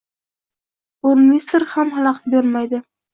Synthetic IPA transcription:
oɾmisɾhamhalˠɑqʰt̪beɾmajd̪ɪ

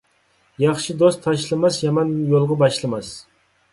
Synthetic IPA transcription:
jɑχʃɪd̪ost̪ʰːɑʃlɪmasjamanjolˠʁɑbɑʃlˠɪmas

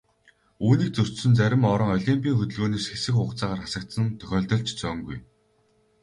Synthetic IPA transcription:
uːniːk̚t͡sɵr̥sɵ̆nt͡sæɾʲɪ̆mɔɾɞ̆ŋɔɮʲimpʲiːŋxɵt̪ɵ̆ɮɣoːneːsxesɘ̆xʊːqt͡saːʁaːrχasə̆k̚t̪sə̆nt̪ʰœ̥xʲɔːɮt̪ɞ̆ɬt͡ɕt͡sœŋɡuj

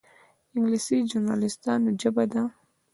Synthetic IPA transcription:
ɪŋɡlisid͡ʒuɾnɑ̰lɪst̪ɑnod͡ʒabad̪a

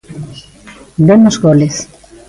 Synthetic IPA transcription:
d̪emozɣoles

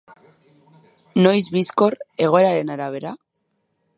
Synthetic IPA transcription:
no̞jzβisko̞ɾe̞ɣ̞o̞e̞ɾaɾe̞naɾaβ̞e̞ɾa

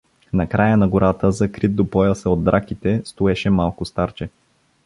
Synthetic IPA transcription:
nɐkɾajənɐɡʊɾat̪əzɐkɾit̪̚d̪opɔəsɛod̪̚ːɾakit̪ɛst̪oɛʃɛmalˠkʊst̪aɾt͡ʃɛ

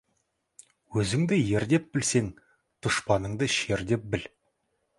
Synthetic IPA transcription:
wɵzɪŋd̪ɪje̞ɾd̪e̞p̚bɪlse̞ŋ | t̪ʰʊʃpɑnəɴd̪əʃeɾd̪e̞p̚bɪl

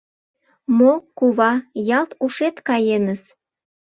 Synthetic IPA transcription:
mokuβɑjɑlt̪uʃet̪kɑjenəs

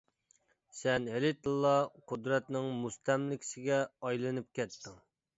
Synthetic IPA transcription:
sɛnɦɪlɪt̪ʰɨlˠːɑqʰʊd̪ɾɛt̪nɪŋmust̪ʰɛmlɪkʲʰsɪɡʲɛɑjlˠɨnɨp̚kʲɛt̪ʰːɪŋ

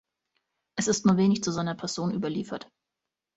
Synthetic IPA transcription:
ʔɛsɪstnuːɐveːnɪçt͡suzaɪnɐpʰɛɐz̥oːnʔyːbɐliːfɐt

